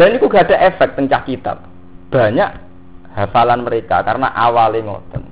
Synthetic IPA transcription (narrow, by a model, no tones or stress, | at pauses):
danikuɡaɖ̥a̤ʔefɛk̚t̪əŋt͡ʃahkit̪a̰p̚ | b̥ä̤ɲaʔ | hafalanməɾeka̰kaɾəna̰ʔawalimo̰d̥̪ən